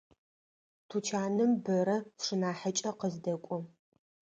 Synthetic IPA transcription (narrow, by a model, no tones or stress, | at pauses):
tʰut͡ʃʰaːnɨmbɐɾɐʂɨnaːħət͡ʃʼɐqəzdɐkʷʼʊ